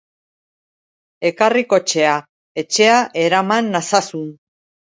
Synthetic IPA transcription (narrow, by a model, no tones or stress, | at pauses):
e̞kariko̞t͡ʃe̞a | e̞t͡ʃe̞aʔe̞ɾamanːasasun